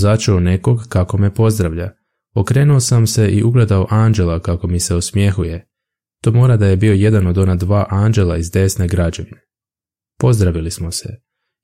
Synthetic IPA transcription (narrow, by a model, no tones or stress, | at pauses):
zat͡ʃeone̞ko̞ɡkːako̞me̞po̞zd̪ɾaʋʎa̰ | okɾe̞ːnuosamse̞ʔiʔuɡle̞d̪aoʔaːnd͡ʒe̞lakako̞mise̞osmje̞xuje̞ | t̪o̞ːmo̞ːɾad̪aje̞bio̞je̞d̪ano̞d̪o̞nad̪ʋaːʔaːnd͡ʒe̞lˠaizd̪e̞sne̞ɡɾad͡ʑe̞ʋine | po̞zd̪ɾaʋilismo̞sḛ